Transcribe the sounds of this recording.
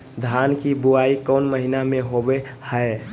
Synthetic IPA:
d̪ʱankibuaikəʊnməɦinameɦobehəe

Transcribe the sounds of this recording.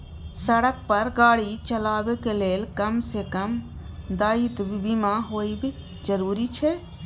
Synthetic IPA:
sɐɽək̚pɐɾɡaːɽit͡ʃɐlaːʋekeleːlkɐmsekɐm | d̪aːit̪bbimaːɦoːibɪ | d͡ʒəɾuːɾit͡ʃʰe

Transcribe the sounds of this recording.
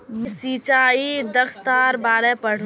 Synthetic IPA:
msiːt͡ʃaːid̪ɐkst̪aːɾbaːɾɛpɐɽ̤

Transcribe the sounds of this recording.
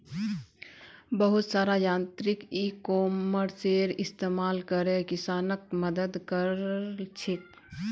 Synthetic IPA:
bəɦʊt̪saːɾajaːnt̪ɾikikoːmməɾseɾɪst̪eːmaːlkəɾekɪsaːnək̚məd̪əd̪kəɾt͡ʃʰik̪

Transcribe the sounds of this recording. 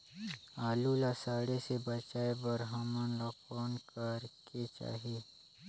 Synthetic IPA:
aːlulasaːɽesebət͡ʃaːebəɾɦəmənlɔːkɔːnkəɾket͡ʃa̰ːɦeː

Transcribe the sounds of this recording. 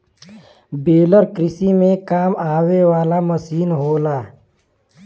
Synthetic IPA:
beːləɾkɾɪsimẽkaːmaːwewaːlaməsiːnɦoːlaː

